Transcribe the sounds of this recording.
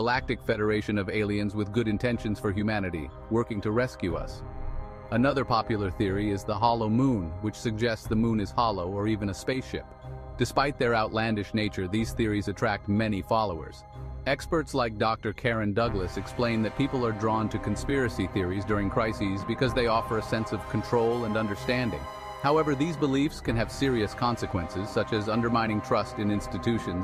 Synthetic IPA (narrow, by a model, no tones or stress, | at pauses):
əlæk̚tɨkfɛɾə˞eɪʃɨ̃nʌveɪlˠiɨ̃nzwɨðɡʊɾɨ̃ntʰɛ̃nʃɨ̃n̩z̥fə˞ɦjʉmænɨɾḭ | wɜ˞kɪ̃ŋtʰɨɹɛskjʉʌ̰s | ənʌðə˞pʰɑpjl̩ˠə˞θɪɹiɪzðəɦɑlˠoʊmũnwɨt͡ʃsɨɡ̚d͡ʒɛstsðəmũnɨz̥hɑlˠoʊə˞ivɨ̃nɨspeɪsʃɪ̰pd̥ɨspaɪt̪̚ðə˞aʊʔˡlæ̃ndɨʃneɪt͡ʃə˞ðiz̥θɪɹizɨtʰɹ̥æk̚t̚mɛñifɑlˠoʊə̰˞z̥ | ɛkspə˞tslaɪk̚d̥ɑk̚tə˞kʰɛɹɨ̃ndʌɡləsɨksplẽɪ̃nðɨt̚pʰipl̩ˠə˞dɹɔ̃ntʰɨkʰɨ̃n̩spɪɹɨsiθɪɹizdʊɹɪ̃ŋkʰɹ̥aɪsizbɨkʰʌzðeɪɔfə˞ɨsɛ̃nsʌv̥kʰn̩tʰɹ̥oʊlˠə̃nʌ̃ndə˞stæ̃ndɪ̰̃ŋ | haʊɛvə˞ðizbəlifskɨ̃nɨv̥sɪɹiɨskʰɑ̃nsɨkʰwɛ̃nsɨz̥sʌt͡ʃɨzʌ̃ndə˞mãɪ̃ñɪ̃ŋtʰɹ̥ʌstɨ̃nɪ̃nstɨtʰʉʃɨ̃nz̥